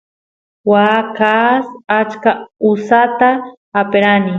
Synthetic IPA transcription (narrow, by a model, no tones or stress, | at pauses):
wakasat͡ʃkausat̪aː | peɾanɪ